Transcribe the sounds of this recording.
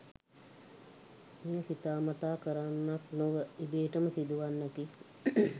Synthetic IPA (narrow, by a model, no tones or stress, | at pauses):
meːsit̪aːmat̪aːkəɾanːaknoʋəibeːʈəməsid̪uʋanːəki